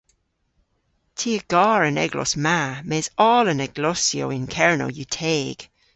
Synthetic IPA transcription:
tʰiːəɡ̥ɑːɹənɛ̰ɡlɔ̰smamɛːzɔːlənɛɡ̥lɔsjo̰ɪnkʰɛɹno̰jutʰeːɡ̥

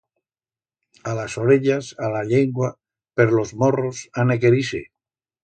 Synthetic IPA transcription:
alasoɾeʎasalaʎeŋɡwa | peɾlozmorosanekeɾisḛ

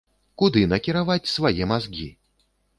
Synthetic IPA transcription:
kud̪ɨnɐkʲiɾavat͡sʲsvajɛmazɡʲḭ

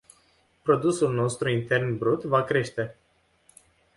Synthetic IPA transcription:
pɾo̞d̪usulno̞st̪ɾuint̪e̞rnbɾut̪vakɾe̞ʃt̪e̞

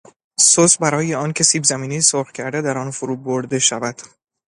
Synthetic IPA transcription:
sosbæɾɒːjeɒːncʰe̞siːbzæmiːnisoɾɣcʰæɾd̪ed̪æɾɒnfoɾuːboɾd̪e̞ʃævæd̪̥

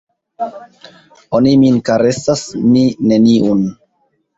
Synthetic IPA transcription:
oniminkaɾe̞sasmine̞niʔun

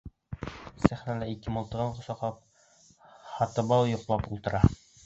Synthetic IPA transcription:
sæχnælæikɘmŏlˠt̪ɤ̆ʁɤɴqŏsɑq̪ˠɑp̚ | hɑt̪ɤ̆bɑlw̪ˠjŏqlˠɑpulˠt̪ɤ̆ɾʔɑ

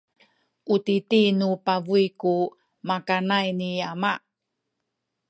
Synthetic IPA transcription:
ʔutitinupavuiku | makanajniama

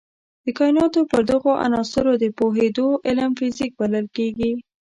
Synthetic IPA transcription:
d̪̥əkɑjnɑt̪opəɾd̪əɣoʔa̰nɑsɪɾod̪əpoɦed̪oʔɪləmfɪzik̚baləlkeɡi

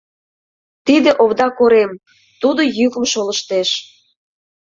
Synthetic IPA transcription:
t̪id̪eʔoβd̪ɑkoɾem | t̪ud̪ojyɣə̆mʃoləʃt̪eʃ

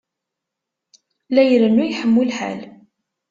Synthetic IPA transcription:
læjɾənːujħəmːulħa̰l

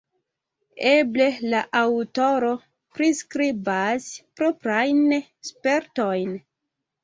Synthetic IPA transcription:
eble̞laʔawto̞ɾo̞ | pɾiskɾibaspɾopɾajnspe̞ɾto̞jn

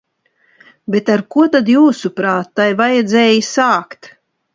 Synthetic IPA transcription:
bet̪aɾkuɔt̪ad̪juːsupɾaːt̪ːajvajɛd̪zɛːjisaːkt̪

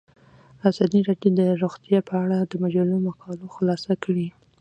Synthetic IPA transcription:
azɑd̪iɾɑɖjod̪əɾoɣt̪japəaɽad̪əmad͡ʒalomakɑloxlɑsakɽi

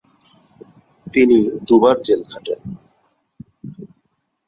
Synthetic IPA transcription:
t̪inid̪ubaɾd͡ʑelkʰaʈen

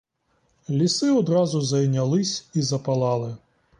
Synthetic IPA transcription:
lʲisɪɔd̪ɾɑzʊzɐjnʲɐlˠɪsʲizɐpɐlˠɑlˠɪ

